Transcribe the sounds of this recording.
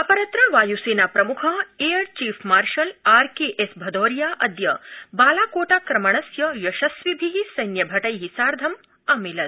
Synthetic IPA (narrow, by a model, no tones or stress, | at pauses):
ɐpɐɾɐt̪ɾɐʋaːjuseːnaːpɾɐmukʰɐejɐɾt͡ʃiːfʰmaːɾʃɐlaːɾkeːʔesbʱɐd̪oːɾjaːʔɐd̪jɐbaːlaːkoːʈaːkɾɐmɐɳ̃ɐsjɐjɐʃɐsʋibʱiɦisɐjnjɐbʱɐʈɐjɦisaːɾd̪ʱɐm | ɐmilɐd̪̚